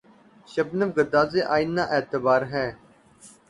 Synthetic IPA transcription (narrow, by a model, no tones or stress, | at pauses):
ʃəbnəfɡəd̪aːzeːʔaːinːãːʔeːt̪əbaːɾɦɛː